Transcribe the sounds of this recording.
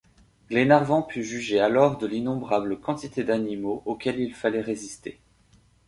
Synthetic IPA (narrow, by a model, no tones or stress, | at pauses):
ɡ̥lenaʁvɑ̃pʰyʒyʒealɔʁd̪əlinɔ̃bʁabləkɑ̃t̪it̪ed̪animoʔokʲɛlilfalɛʁezist̪e